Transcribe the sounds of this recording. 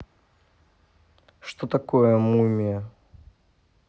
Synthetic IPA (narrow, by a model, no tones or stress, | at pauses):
ʂt̪ot̪ɐkojəmumʲɪə